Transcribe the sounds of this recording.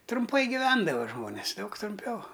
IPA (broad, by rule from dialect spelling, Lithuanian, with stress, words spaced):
trʊmˈpɐɪ ɡʲɪˈʋʲɛndɐʋɐ ˈʒmoːnʲeːs ˈdɐʊk trʊmʲˈpʲɛʊ